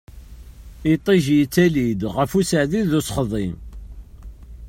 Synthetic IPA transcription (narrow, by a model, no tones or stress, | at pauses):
it̪ˤːiʒjət͡sːælid̪ʁəfusəʕðiðusχðˤim